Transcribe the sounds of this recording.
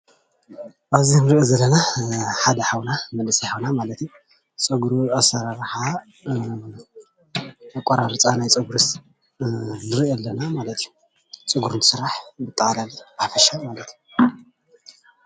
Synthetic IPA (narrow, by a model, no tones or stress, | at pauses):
ʔaβzinɨɾɨʔezɐlːɐnaħad̪ɐħawnamɐnlɨsijħawnamalɐt̪ju | t͡sʼɨɡɾuasaɾaɾħa | akʷʼːɐɾaɾt͡sʼanajt͡sʼɨɡuɾɨs | nɨɾiɛlːɐnamalɐt̪iju | t͡sʼɨɡuɾɨnt̪ɨ̥sɨɾːaħbɨt̪ʼːɐxʼalalib̥aħafɐʃamalɐt̪ju